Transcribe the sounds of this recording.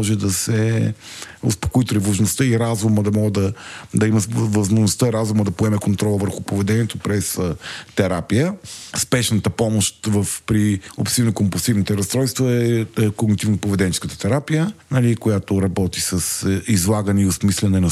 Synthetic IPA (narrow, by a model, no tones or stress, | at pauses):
ʒɛd̪ɐsɛ | o̰spo̥koit̪oɾivəʒnost̪əiɾazuməd̪ɐmɔɡd̪ɐd̪ɐimɐvɐzmoʒnost̪əɾazuməd̪ɐpoɛmɛkont̪ɾɔlˠvəɾxupovɛd̪ɛniɛt̪opɾɛst̪ɛɾapijəspɛʃnət̪əpɔmoʃt̪vəfpɾiopsivnokompolˠsivnit̪ɛɾɐst̪ɾɔjst̪voɛkoɡnit̪ivnpovɛd̪ɛnit͡ʃɛ̥skət̪ə̥t̪ɛɾapijənɐlikojat̪oɾɐbɔt̪isɐsizlˠaɡənɛiosmislɛnɛnɐ